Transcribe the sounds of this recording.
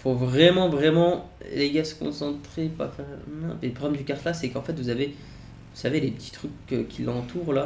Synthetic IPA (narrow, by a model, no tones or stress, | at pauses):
fovʁɛmɑ̃vʁɛmɑ̃ | leɡasə̥kɔ̰̃sɑ̃t̪χepa̰fɛʁnɔ̰̃pɛləpχɔblɛmd̪ykaʁt̪lasɛkɑ̃fɛt̪vuzave | vusavelepət̪ʰi̥t̪χykːəkʲilɑ̃t̪ʰuːʁla